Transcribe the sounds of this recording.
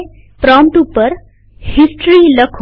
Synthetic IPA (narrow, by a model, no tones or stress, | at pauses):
pɾɔmʈupəɾ | hisʈɾiləkʰ